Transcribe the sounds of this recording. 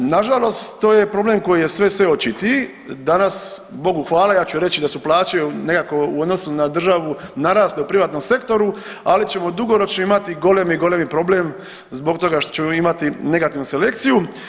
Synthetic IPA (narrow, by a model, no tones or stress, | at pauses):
naʒalˠo̞st̪t̪o̞ːje̞pɾo̞ble̞mko̞jije̞sʋe̞sʋe̞ot͡ʃit̪i | d̪anasbo̞ɡuxʋaːlajaːt͡ɕuɾe̞t͡ɕid̪asuplˠaːt͡ʃene̞kako̞uod̪no̞sunad̪r̩ʒaʋunaɾaːstleupɾiʋaːt̪no̞mse̞kt̪o̞ɾu | alit͡ɕe̞mo̞d̪uɡo̞ɾo̞t͡ʃnoimat̪iɡo̞lemɡo̞lemipɾo̞bleːm | zbo̞kt̪o̞ɡaʃt̪o̥t͡ɕe̞moimat̪ine̞ɡat̪iʋnuse̞le̞k̚t̪siju